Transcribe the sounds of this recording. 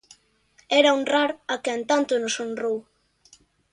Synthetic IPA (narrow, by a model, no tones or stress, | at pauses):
ɛɾɐunraɾakeent̪ant̪ʊnosonrow